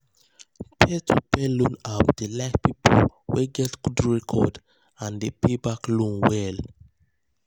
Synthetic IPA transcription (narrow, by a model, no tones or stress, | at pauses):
pʰɛtʰupɛlũnapd̥elaɪkpipʰolwɛɡɛtɡ̥udɹɛkʰɔd | ãndepebaklũnwɛl